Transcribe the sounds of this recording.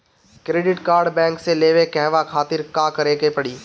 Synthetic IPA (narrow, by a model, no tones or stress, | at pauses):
kɾeːɖɪʈkaːɾɖbɛ̃ːŋkseleːʋekɛɦʋakʰaːt̪ɪɾkãːkɐɾeːkepɐɽiː